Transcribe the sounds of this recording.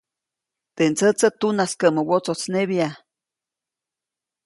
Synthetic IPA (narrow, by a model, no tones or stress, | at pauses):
t̪ent͡sət͡sət̪unaskəʔməwot͡sot͡sneβja